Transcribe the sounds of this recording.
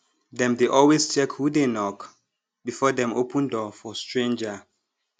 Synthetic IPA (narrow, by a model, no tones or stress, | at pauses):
dɛ̃mdeʔɔlwest͡ʃɛkhudenɔk | bifɔdɛ̃mopʰə̃ndɔfɔstɹẽnd͡ʒə